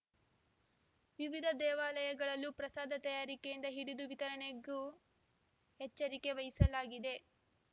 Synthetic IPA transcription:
ʋiʋid̪ʱɐd̪ɛːʋaːlɐjɐɡɐɭɐlːupɾɐsaːd̪ʱɐt̪ɐjaːɾikejind̪ɐɦiɽid̪uʋit̪ɐɾɐɳeɡu | hɛt͡ʃːɐɾike̞ʋɐjisɐlaːɡid̪e̞

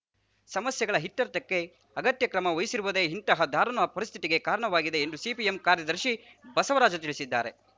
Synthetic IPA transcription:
sɐmɐsjɐɡɐɭɐɦit̪ːɐɾt̪ɐkːe̞ | ɐɡɐt̪jɐkɾɐmɐojisiɾuʋɐd̪eːɦint̪ɐɦɐd̪ʱaːɾɐnɐɐpɐɾist̪ʰit̪iɡe̞kaːɾɐɳɐʋaːɡid̪e̞ːnd̪usipiemkaːɾjɐd̪ɐɾʃi | bɐsɐʋɐɾaːd͡ʒɐt̪iɭisid̪ːa̰ːɾe̞̰

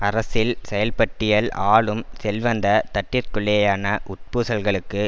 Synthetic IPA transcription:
ɐɾɐsɪlsɛjɐlpɐʈːɪjɐlaːɭɯmsɛlʋɐnd̪ɐt̪ɐʈːɪɾkɯɭɛjaːnɐʔʊʈ̚puːsɐlɣɐɭɯkːɯ

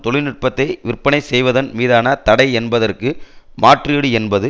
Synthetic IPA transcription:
t̪ɔɭɪnɪʈ̚pɐt̪ːɐɪʋɪrpːɐnɐɪsɛjʋɐðɐnmiːðaːnɐt̪ɐɽɐɪɛnbɐðɐrkɯmaːʈriːɽɯɛnbɐðɯ

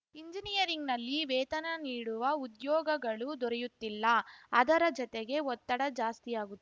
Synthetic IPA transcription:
iɲd͡ʒinijɐɾiŋɡnɐlːiʋɛːt̪ɐnɐniːɽuʋɐud̪jɔːɡɐɡɐɭud̪ɔɾɛjut̪ːilːɐɐd̪ɐɾɐd͡ʒɔt̪eɡe̞ɔt̪ːɐɽɐd͡ʒaːst̪ijaːɡut̪ː

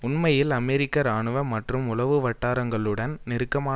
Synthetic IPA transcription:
ʊnmɐjɪlɐmɛːɾɪkːɐɾaːɳɯʋɐmːɐʈrɯmʊlɐʋɯʋɐʈːaːɾɐŋɡɐɭɯɽɐnnɪɾɯkːɐmaː

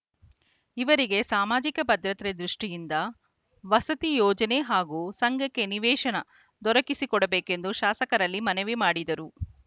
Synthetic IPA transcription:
iʋɐɾiɡe̞saːmaːd͡ʒikɐpɐd̪ɾɐt̪ɾed̪ɾuʂʈijind̪ɐ | ʋɐsɐt̪ijɔːd͡ʒɐne̞ɦaːɡuːsɐŋɡʱɐkːe̞niʋɛːʃɐnɐ | d̪ɔɾɐkisikɔɽɐbeːke̞nd̪uʃaːsɐkɐɾɐlːimɐneʋimaːɽid̪ɐɾu

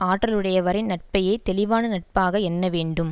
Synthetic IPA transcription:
aːʈːɾɐlɯɽɐjɐʋɐɾɪnnɐʈ̚pɐjeːt̪ɛlɪʋaːnɯnɐʈ̚paːɣɐɛnːɐʋeːɳɖɯm

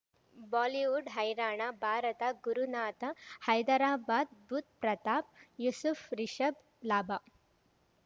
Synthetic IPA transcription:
bɔːliʋuɖɦɐjɾaːɳ̃abʱaːɾɐt̪aɡuɾunaːt̪ahɐjd̪aɾaːbaːd̪̚bʱut̪̚pɾɐt̪aːp̚jusufɾiʃɐb | laːba

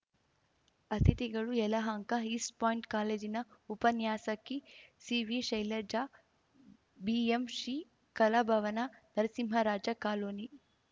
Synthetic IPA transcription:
ɐt̪ʰit̪iɡɐɭuɛlɐɦɐŋkɐɦispaːjiɳʈkaːleːd͡ʒinɐupɐnjaːsɐkːisiːʋiʃɐjlɐɾd͡ʒaː | biemʂiː | kɐlɐbʱɐʋɐnɐnɐɾɐsimɦɐɾaːd͡ʒɐkaːloːni

